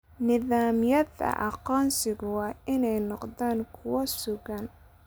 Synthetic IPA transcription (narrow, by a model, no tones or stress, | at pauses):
nɪðaːmjɐðɐ̰ʔɑqɔːnsɪɣʊwɑːɪnɛjnɔqðaːŋkʰʊwɐsʊɣɐn